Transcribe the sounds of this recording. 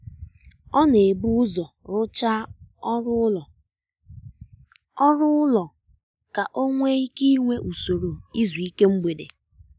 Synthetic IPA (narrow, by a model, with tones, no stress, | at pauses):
ɔ˦ne˨bu˦ʊ˦zɔ˨ | ɾʊ˦t͡ʃa˦ɔ˦ɾʊ˦lɔ˨ | ɔ˦ɾʊ˦ʊ˦lɔ˨ | ka˨ʔo˦ŋʷe˦i˦ki˦ŋʷe˦ʔu˨so˨ɾo˨i˦zu˨i˦ke˦mŋ͡m̩˦ɡ͡be˨dḛ˨